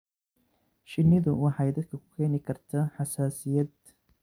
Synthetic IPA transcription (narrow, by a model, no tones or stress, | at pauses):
ʃɪnːɪðʊwɑħɑjd̪ɐd̪kʰɐkʰʊ̥kʰɛːnɪkʰɐrt̪ʰɐħɑsaːsɪjɐd̪̚